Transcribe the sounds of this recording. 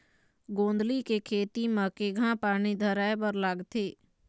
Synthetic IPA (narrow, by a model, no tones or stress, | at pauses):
ɡõːnd̪likekʰeːt̪iməkeɡʱãːpaːnid̪ʱəɾaːebəɾlaːɡt̪ʰeː